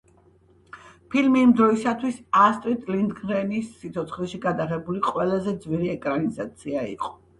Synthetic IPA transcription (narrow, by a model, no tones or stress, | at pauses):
pʰilmiːmd̪ɾɔisat̪ʰwisast̪ʼɾit̪ʼlind̪ɡɾɛnisːit̪sʰɔt̪sʰχliʃiɡad̪aʁɛbuliqʼwɛlazɛd̪zwiɾiɛkʼɾanizat̪sʰiaḭqʼɔ̥